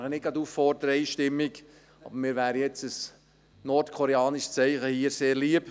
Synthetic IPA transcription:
χənɪɡ̥ɑduːffɔrdəɾəɛɪʃtɪmːɪk | ɑ̰bəɾmɪːɾʋæːɾəjɛt͡səs | nɔrtkʰɔɾeɑːnɪʃst͡sɛɪχəhiːəɾseːɾliəp

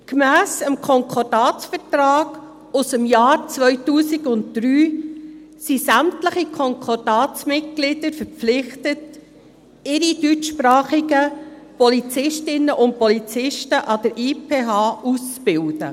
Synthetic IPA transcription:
kmæːsəmkʰɔŋkʰɔɾd̥ɑːt͡sfətrɑːɡ̥ | ʊsəmjɑːɾt͡svœʏtuːsɪɡʊnttɾyː | sisæmtləχikʰɔŋkʰɔɾd̥ɑːt͡smɪt̚ɡ̥lɪd̥əɾfəɾp͡flɪχtət | ɪɾid̥yt͡ʃʃpɾɑːχiɡəpɔlit͡sɪʃtɪnːəʔʊnt̚pɔlit͡sɪʃtəʔɑdəɾʔiːpʰeːɦɑːust͡sb̥ɪldə̰

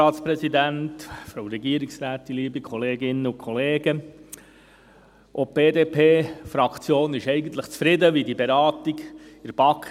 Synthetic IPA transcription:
ɑːt̪spɾɛsid̪æntfɾoʊɾɛɡiəɾiksɾæːtːiliːbikʰχɔleːɡɪnːəʊkʰχɔleːɡə | ʔɔb̥eːd̪eːpʰeːfɾɑkt͡sjoːnɪʃɛɪɡən̩t̪ləχt͡sfɾɪd̪əʋidibeɾɑːt̪iɡɪɾb̥ɑk

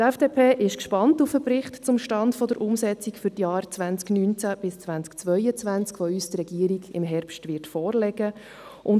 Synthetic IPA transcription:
tɛfd̥eːpʰeːʔɪʃkʃpɑntufəpɾɪχtt͡sʊmʃtɑntfɔd̪əɾʔʊmsɛt͡sikfʏɾtjɑːɾt͡svænt͡sknyːnt͡sæb̥ɪst͡sʋænt͡skt͡sʋœjət͡sʋænt͡skfɔyːst̪ɾɛɡ̥iːəɾiɡɪmɦɛɾpʃtʋɪɾtfɔːrlɛɡə | ʔʊn

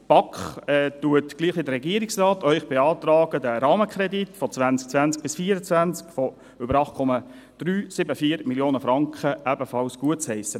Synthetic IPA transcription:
pɑkχɛːtuətɡ̥liːχʋidəɾrːɛɡiəɾɪksrɑːtœʏχb̥eɑːt̪ɾɑːɡ̥ədəɾɑːməkχɾɛditfɔt͡sʋænt͡sk̚t͡svænt͡sk̚b̥ɪsfiːəɾət͡sʋænt͡skfɔ | ʏbəɾɑχt̚kʰɔmɑ | d̥ryːsɪbəfiːɾmiljoːnəfɾɑŋkχəʔæbəfɑlsɡ̥uət͡shɛɪsə

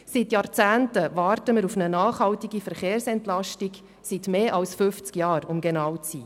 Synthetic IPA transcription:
sitjɑːrt͡sæːntəʋɑːrtəməɾufnənɑːχhɑwtiɡifəɾχeːɾsɛntlɑʃtiɡ | sitmeːʔɑlsfʏft͡skjɑːɾʊmɡɛnɑːwt͡shiː

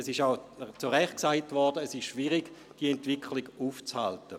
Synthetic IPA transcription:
ɛsɪʃaʊt͡suʁɛχ̚ksaɪtvɔʁd̥əːsɪʃʃviʁiɡ | d̥iəɛntv̥ɪkʰliɡuːft͡sha̰ltə

